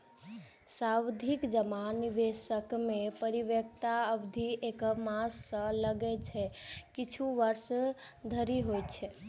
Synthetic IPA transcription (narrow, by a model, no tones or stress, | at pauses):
sawd̪ʱikd͡ʒəmanibesəkmepəɾibjək̚t̪aəbd̪ʱiʔekəmasːə̃ləɡɛt͡ʃʰɛkit͡ʃʰuʋəɾsd̪ʱəɾiɦojt͡ʃʰɛ